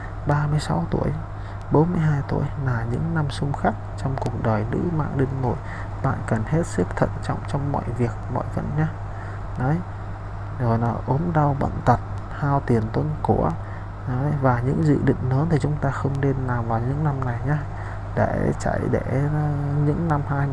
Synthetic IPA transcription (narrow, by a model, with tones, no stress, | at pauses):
ɓaː˧mɨ˧əjsa˨˦wt̪u˧˩əj | ɓo˨˦nmɨ˧əjɦaː˧jt̪u˧˩əjlaː˨˩ɲɨ̰˧˥ŋna˧msʊ˧ŋ͡mxaː˦˥k̚t͡ɕɔ˧wŋ͡mku˨˩ək̚ɗəː˨˩jzɨ̰˧˥ma̰ː˧˨ŋɗï˧ŋnṵ˧˩j | ɓa̰ː˧˨nkə˨˩nhe˦˥t̚sɨ˦˥k̚t̪ʰə̰˧˨nt͡ɕɔ̰˧˨wŋ͡mt͡ɕɔ˧wŋ͡mmɔ̰˧˨jvi˨˩ək̚mɔ̰˧˨jvə̰˧˨nɲaː˧ | nɔ˨˦j | zo˨˩jlaː˨˩ʔo˨˦mɗa˧wɓə̰˧˨nt̪ə˨˩t̚ | haː˧wt̪i˨˩ənt̪ə˧nku˧˩ə | nɔ˨˦jvaː˨˩ɲɨ̰˧˥ŋzɨ̰˧˨ɗḭ˧˨ŋ̟nəː˨˦nt̪ʰi˨˩t͡ɕʊ˨˦ŋ͡mt̪aː˧xə˧wŋ͡mne˧nːaː˨˩wvaː˨˩wɲɨ̰˧˥ŋna˧mna˨˩jɲaː˧ | ɗe˧˩t͡ɕa̰˧˨jɗe˧˩ɲɨ̰˧˥ŋna˧mhaː˧j